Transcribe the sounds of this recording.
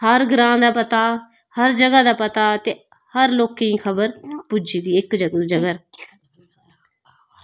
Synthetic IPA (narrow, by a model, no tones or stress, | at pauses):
həɾɡɾãːd̪aːpət̪aː | həɾd͡ʒəɡaːd̪aːpət̪aːt̪eː | həɾloːkiiːkʰəbəɾpʊd͡ʒiːɡ̪iːɪkd͡ʒəɡd͡ʒəɡəɾ